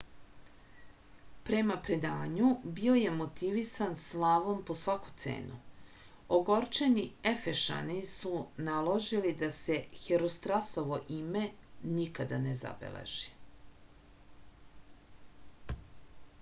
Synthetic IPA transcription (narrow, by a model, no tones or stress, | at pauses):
pɾe̞mapɾe̞d̪aːɲubio̞je̞mo̞t̪iʋisanslˠaʋo̞mpo̞sʋaku̥t̪sḛːnu | oɡo̞ɾt͡ʃeniefeʃa̰nisunalˠoʒilid̪ase̞xeɾost̪ɾaso̞ʋo̞ʔime̞nikad̪aneza̰bḛlḛʒ̥i̥